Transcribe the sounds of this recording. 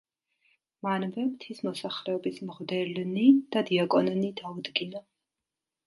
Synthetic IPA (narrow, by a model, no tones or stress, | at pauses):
manvɛmt̪ʰismɔsaχɾɛɔbismʁvd̪ɛlnid̪̥ad̪iakʼɔnnid̪aud̪ɡinɔ